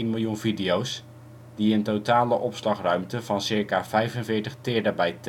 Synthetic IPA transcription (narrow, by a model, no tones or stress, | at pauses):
inmɪlˠjunvidiows | diəntowtaːləʔɔpslɑχrœɥmtəvɑnsɪɹkaːv̥ɛjvənvɪːɹtəχtɪːɹdəbɛjt